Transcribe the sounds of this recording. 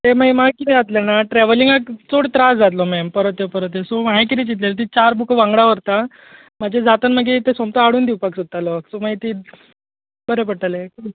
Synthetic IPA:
t̪eməjmakit̪ɛ̃d͡zat̪lenaʈɾɛʋəliŋɡakt͡soɽt̪ɾasd͡zat̪lɔmɛmpəɾət̪jepəɾət̪̬esomaek̬it̪ẽt͡ɕit̪̬lelt̪it͡ɕaɾbukʰəʋãŋɡɽaʋəɾt̪a | mad͡ʑed͡zat̪ənməɡet̪esomt̪aaɽuːnd̪iwpaksot̪ːalɔkt͡somaet̪iː | bəɾepəɽʈ̪ale

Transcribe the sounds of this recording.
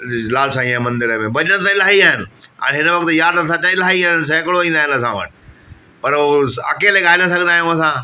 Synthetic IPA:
laːlsãːĩãmɐ̃nd̪ɪɾəmẽbɐʄəɽ̃t̪̬ãɪlaːɦiaːɦɪnɪã̰ɦɪnəʋɐk̚t̪jaːɾɐsãt͡ɕãɪlaːiaːɦɪns̬ɛ̃ːkɽoĩːnd̪aːɦɪnəs̬ã̰ʋə̰ʈ | pɐɾoːɐ̰keːleɠaːɪlə̃s̬ɐɡʱə̃nd̪aːɦẽʊ̃sãː

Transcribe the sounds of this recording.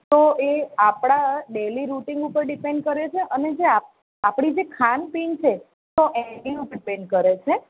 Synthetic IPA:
t̪oʔeapɽ̃aɖeliɾuʈĩŋɡupəɾɖipeɳɖ̚kəɾet͡ʃʰeʔəned͡ʒea | apɽid͡ʒekʰanpint͡ʃʰe | t̪oʔɛɖiupɖpẽɳɖkəɾet͡ʃʰe

